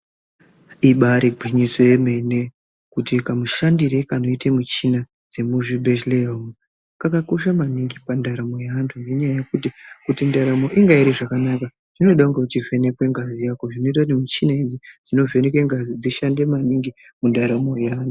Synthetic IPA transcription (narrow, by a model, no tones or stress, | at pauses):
iɓaɾiɡʱiɲisweme̞ne̞ | kutikamuʃandiɾe̞kano̞itemut͡ʃina | d͡ze̞muʐibeʃleomu | kakako̞ʃamaniŋɡipandaɾamo̞jaantʰuŋɡe̞ɲajajekutikutindaɾamo̞ʔiŋɡaiɾiʐakanaka | ʐ̥ino̞ɗakuŋɡekut͡ʃive̞ne̞kwe̞ŋɡazijako̞ʐino̞it̬akut̬imut͡ʃinaid͡zid͡zino̞ve̞nekwe̞ŋɡazid͡ziʃande̞maniŋɡi | mundaɾamo̞jaaːntʰu